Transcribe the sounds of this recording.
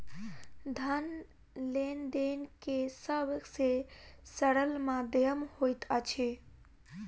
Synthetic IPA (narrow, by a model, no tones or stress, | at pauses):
d̪ʱən | lend̪enkesəbsesəɽəlmãd̪jəmhojt̪ət͡ʃʰi